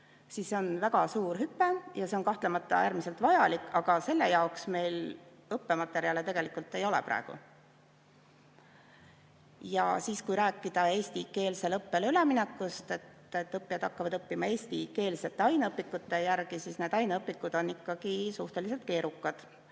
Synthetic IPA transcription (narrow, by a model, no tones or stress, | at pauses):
sisːeo̞nvæɡ̥ɑsuːrɦypːe̞jɑseo̞nkɑht̪lemɑt̪ˑːɑ̰æːɾmise̞lt̪vɑjɑlikːɑɡ̥ɑse̞lːe̞̰jɑoksme̞jl | ɤpːe̞mɑt̪ːe̞ɾiɑlet̪e̞ɡ̥e̞likult̪ːˑe̞jo̞lḛpɾʔɑ̰eɡ̥ṵ | jɑ̰siːskujɾæːkːˑid̪̥ɑe̞ːsʲt̪ike̞ːlse̞lɤpːe̞lyleminekːˑust̪e̞t̪ːet̪ːɤpːiɑd̪̥ɑkːɑvɑd̪̥ɤpːimɑe̞ːsʲt̪ike̞ːlse̞t̪ːˑe̞ɑjnɤpːikːˑut̪ːe̞jærɡ̥isiːsne̞ːd̪ɑjnɤpːˑikːˑud̪̥o̞nːikːɑɡ̥isuht̪e̞lise̞lt̪̚ke̞ːɾukːɑd̪̥